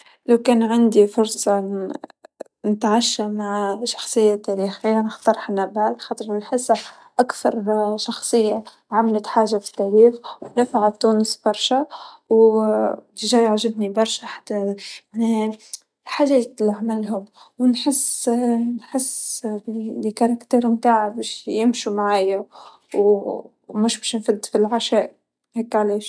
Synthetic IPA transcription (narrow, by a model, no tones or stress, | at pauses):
lawkæːnʕand̪ifʊɾˤsˤɑ | nɪt̪ʕaʃːamaʕʃɑ̥xsˤɨjːat̪aːɾixɪjːanɪxt̪ɑɾˤħanːabaːlxɑːt̪ˤɾnħɪsː | ʔakθɑɾˤʃɑxsˤɨjːa | ʕamlat̪ħaːʒːafi̥t̪ːaɾiːxwnæfaʕat̪uːnəsbɑɾˤʃa | w | t̪ɪʒaːjaʕʒɪbnibɑɾˤʃaħḁt̪ːamane | ħaʒeːt̪laʕmalɦʊm | wnħɪsːnħɪs | lkɑɾˤɑkt̪iːɾmt̪aːʕabeʃjɪmʃumaʕaːja | w | mʊʃbæʃnfɪlt̪filʕaʃæːʔ | heːkːʕaleːʃ